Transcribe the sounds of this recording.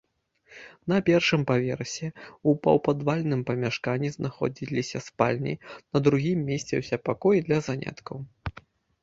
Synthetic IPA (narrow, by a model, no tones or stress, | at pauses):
nɐpʲɛrʂɨmpavʲɛrsʲɛupɐ̰wpad̪valʲnɨmpɐmʲaʂkanʲːiznaxɔ̰d͡zʲilʲisʲɐspalʲnʲḭnɐd̪ɾuɣʲimːʲesʲt͡sʲɛ̰wsʲɛpakɔjd̪lʲɐzanʲa̰t̪kɐw